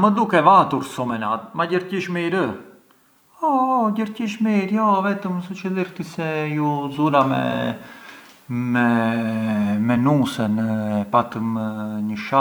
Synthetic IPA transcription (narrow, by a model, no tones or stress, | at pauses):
məd̪ukɛvat̪uɾsɔmɛnat̪̚maɟəɾciʃmiɾə | ɔɟəɾciʃmiɾjɔvɛt̪əmsut͡ʃəliɾt̪isɛjuzulamɛ̰ | mɛ | mɛnusənpat̪əməɲəʃa